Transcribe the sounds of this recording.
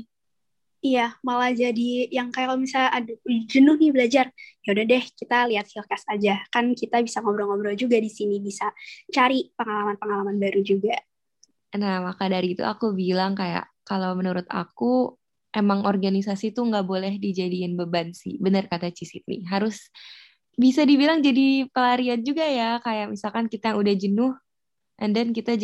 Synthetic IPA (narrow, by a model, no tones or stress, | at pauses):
ijamalad͡ʒadijaŋkajakalobisaːdd͡ʒənʊhnɪbəlad͡ʒarjaudahdɛhkit̪aliɦat̪̚filkasad͡ʒakankit̪abisaŋobɾɔŋobɾɔd͡ʒuɡadisinibisat͡ʃaɾipəŋalamanpəŋalamanbaɾud͡ʒuɡa | namakadaɾit̪ṵa̰kubilaŋkaja̰ʔkalawmənuɾʊt̪a̰ku | ʔemaŋɔrɡanisasit̪uŋɡaʔbolɛhdid͡ʒadiɪnbəbansɪ̰hbənərkat̪at͡ʃisit̪̚nɪ̰ɦaɾʊs | bisadibilaŋd͡ʒadipəlaɾiand͡ʒuɡajakajaʔmisalkankit̪ajaŋudahd͡ʒənʊh | ʔandɛnkit̪a